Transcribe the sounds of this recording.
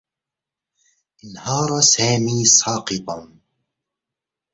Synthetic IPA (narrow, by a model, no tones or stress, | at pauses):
ʔɪnhɑːɾˤɑsaːmiːsˤɑːqɨt̪ˤɑn